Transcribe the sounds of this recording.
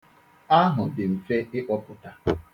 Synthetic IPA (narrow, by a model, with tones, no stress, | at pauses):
a˦ɦʊ˨dɪ˨m̩˨fe˦ɪ˦ʔɔ˦pʊ˨ta˨